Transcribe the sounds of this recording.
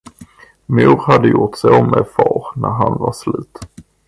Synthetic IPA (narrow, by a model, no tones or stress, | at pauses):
muːɾhad̪ːəjʊʈsɛɔmːɛfɑːɾnæɾɦanvaslʉ̟ːt̪